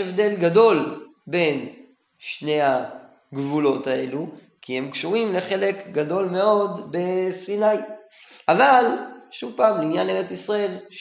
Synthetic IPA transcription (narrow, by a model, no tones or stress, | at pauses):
evd̪e̞lɡado̞l | be̞n | ʃne̞ha | ɡvulo̞t̪ae̞lu | kʰihemkʃuʁimle̞χe̞le̞kɡado̞lme̞o̞d̪be̞sinaj | ʔavalʃuvpaːmleinjane̞ʁet͡sisʁae̞l